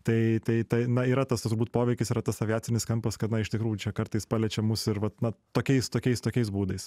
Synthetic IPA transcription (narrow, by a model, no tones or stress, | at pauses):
t̪ɐɪt̪ɐɪt̪ɐɪnɐiːɾɐt̪ɐst̪ʊɾbuːt̚poːʋʲɛɪkʲɪsiːɾɐt̪ɐsɐʋʲɪjæːt͡sʲɪnʲɪskɐmpɐskɐt̪nɐɪʃt̪ʲɪkɾuːjʊt͡ʃʲɛkɐɾt̪ɐɪspɑlʲɛt͡ʃʲɛmusɪɾʋɐt̪nɐt̪oːkʲɛɪst̪oːkʲɛɪst̪oːkʲɛɪs̬buːd̪ɐɪs